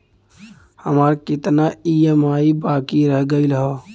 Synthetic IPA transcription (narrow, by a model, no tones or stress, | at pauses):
həmaːɾkɪt̪naiemaːibaːkiɾəɦɡəɪlɦo